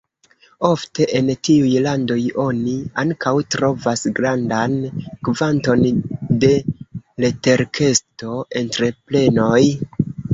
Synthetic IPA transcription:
o̞fte̞ʔentiujlando̞jo̞niaŋkʰawtɾo̞vasɡɾandankvanto̞nde̞le̞te̞ɾkʰe̞sto̞ʔe̞ntɾe̞ple̞no̞j

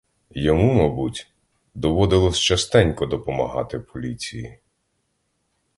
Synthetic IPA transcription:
jɔmumɐbutʲ | d̪ɔʋɔd̪ɪlˠɔsʲt͡ʃɐst̪ɛnʲkɔd̪ɔpɔmɐ̰ɦɑ̰t̪ɪpʰɔlʲit͡sʲijḭ

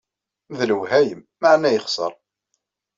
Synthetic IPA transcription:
ðləwhæjəmːaʕnæjəχsˤəɾˤ

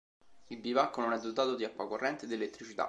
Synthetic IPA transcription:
ilbivakːononɛd̪ːot̪aːt̪od̪iakːwakorːɛnt̪ed̪ielet̪ːɾit͡ʃit̪a̰

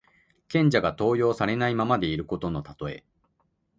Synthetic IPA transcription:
kẽ̞ɲ̟d͡ʑaɡat̪o̞ːjo̞ːsaɾe̞naimamad̪e̞iɾɯ̟ko̞t̪o̞no̞t̪at̪o̞e̞

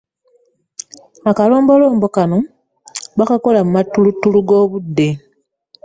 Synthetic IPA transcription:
akalo̞ːmbo̞lo̞ːmbo̞kano̞ | βakako̞lamumatːulutːuluɡo̞ːβudːe̞

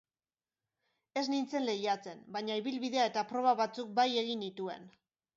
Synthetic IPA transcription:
e̞znint͡se̞nle̞jat͡se̞nbaɲaiβilβiðe̞ae̞t̪apɾo̞β̞aβat͡suk̚baje̞ɣ̞indit̪ue̞̰n

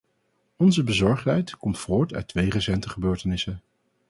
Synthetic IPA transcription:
ɔnzəbəzɔɹχtɦɛjtkɔmtfoːɹtœ̰ɥtːʋejrəsɛntəχəbøːɹtənɪsə

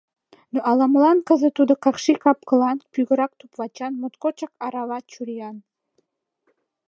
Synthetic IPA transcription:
noʔɑlˠɑmlˠɑnkə̆zə̆t̪ud̪ɤ̆kɑχʃikɑp̚kɤ̆lˠɑnpyɣə̆ɾɑk̚t̪upvɑt͡ɕɑnmŏt̪kot͡ɕɑkɑɾɑvɑt͡ɕuɾijɑn

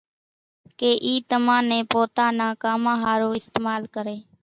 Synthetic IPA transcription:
keːʔiːt̪əmãːnẽːpoːt̪aːnãːkaːmãːɦaːɾoːɪst̪eːmaːlkəɾeː

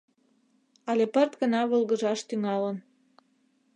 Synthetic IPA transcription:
ɑlepərt̪ɡənɑβəlɣəʒɑʃt̪yŋɑlən

